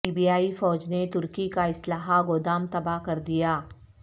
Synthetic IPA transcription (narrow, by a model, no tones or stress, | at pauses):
iːbijaːifɔːd͡ʒnet̪ʊɾkikaɪslaːɦaɡoːd̪aːmt̪ɐbaɦkɐɾd̪ijaː